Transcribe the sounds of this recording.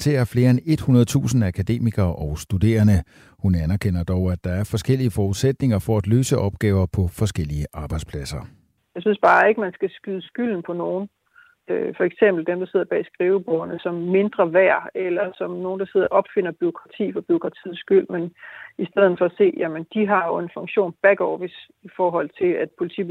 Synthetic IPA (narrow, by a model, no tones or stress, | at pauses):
t͡sʰe̝æɐfle̝ːɐene̝d̥hunɐð̞̩ˠt͡sʰṵːsn̩ækʰæd̥e̝̰ːmiɡ̥ɐːʔɒʊsd̥ud̥e̝̰ːɐnə | hunænæɐkʰen̰ɐd̥ɒʊæd̥ɑ̈æɐfɒ̽sɡ̥el̰iəfɒːuðˠsed̥ne̝ŋɐfɒæd̥løːsəʔɒ̽b̥ɡ̥ɛːʊɐpʰɒ̽fɒ̽sɡ̥el̰iəʔɑ̈ːb̥ɑ̈ɪd̥spʰlæsɐ | jɑ̈ɪsynsb̥ɑ̈ːe̝ɡ̥əmænsɡ̥æsɡ̥yðˠsɡ̥yl̰n̩pʰɒ̽no̝ːn̩ | øfɒ̽eɡ̥sem̰b̥l̩d̥emd̥ɑse̝ð̞̰ˠɐb̥ɛ̰sɡ̥ʁiːʊəb̥ɒʊɐnəsɒ̽mːe̝nd̥ʁɐʋæɐ̰elɐsɒ̽mno̝ːn̩d̥ɑ̈se̝ð̞̰ˠɐʔɒ̽b̥fe̝n̰ɐb̥yo̝kʰʁɑ̈t͡sʰḭːfɒ̽b̥yo̝kʰʁɑ̈t͡sʰḭð̩ˠsɡ̥yl̰menisd̥eð̞̰ˠn̩fɒ̽æse̝̰ːjæmənd̥iɦɑ̈jo̝e̝nfɔ̽ŋɕo̝̰ːnb̥æɡ̥ɒːfis | ifɒːɦɒ̽l̰t͡sʰe̝læd̥pʰo̝lit͡sʰḭ̥